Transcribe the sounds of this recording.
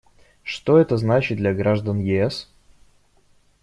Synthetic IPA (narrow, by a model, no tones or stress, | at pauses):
ʂt̪oɛt̪əznat͡ɕɪt̪d̪lʲɐɡɾaʐd̪ənjɪɛs